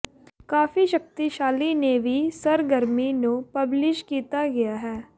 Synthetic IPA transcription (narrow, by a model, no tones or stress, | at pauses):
kaːfiʃɐk̚t̪iʃaːlinebʱisɐɾɡəɾminopɐblɪʃkiːt̪aɡɐjaɦɛː